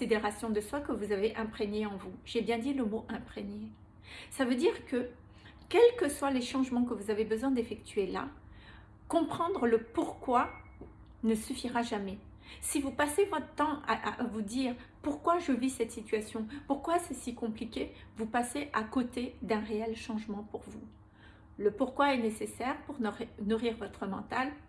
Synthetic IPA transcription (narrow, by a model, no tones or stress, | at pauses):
sed̪eʁasjɔ̃d̪əswakəvuzaveʔɛ̃pχeɲeɑ̃vuʒ̥ebjɛ̃d̪iləmoʔɛ̃pχeɲe | savød̪iʁkə | kʲɛlkəswaleʃɑ̃ʒmɑ̃k̬əvuzavebəzwɛ̃d̪efɛkt̪ʰɥela̰ | kɔ̃pχɑ̃d̪ʁələpuʁkwa | nəsyfiʁaʒamɛ | sivupasevɔt̪ət̪ɑ̃a̰ʔa̰ʔvud̪iːʁpuʁkwaʒəvisɛt̪sit̪ɥasjɔ̃puʁkwasɛsikɔ̃plikʲevupaseʔakot̪ed̪ɛ̃ʁeɛlʃɑ̃ʒmɑ̃puʁvu | ləpuʁkwaɛnesesɛʁpuʁnnuʁiʁvɔt̪χəmɑ̰̃t̪al